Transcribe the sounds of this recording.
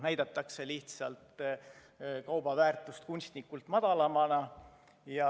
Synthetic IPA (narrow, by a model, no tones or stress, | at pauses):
næjd̪ɑt̪ːˑɑkse̞liht̪sɑlt̪ | kɑwb̥ɑvæːrt̪ˑust̪kunʲst̪nikːult̪mɑd̪̥ɑlɑmɑnɑ | jɑ